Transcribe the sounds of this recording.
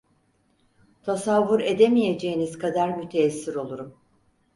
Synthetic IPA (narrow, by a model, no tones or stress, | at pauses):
t̪ʰasavːuɾe̞d̪e̞mije̞d͡ʒe̞jinizkʰad̪aɾmyt̪ʰeːsːiɾo̞lˠuɾum